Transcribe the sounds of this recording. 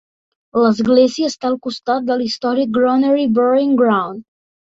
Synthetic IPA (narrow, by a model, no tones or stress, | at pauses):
ləzɡleziəːst̪aəlˠkust̪at̪̚d̪əlist̪ɔɾik̚ɡɾɔnəɾibɔɾiŋɡɾawn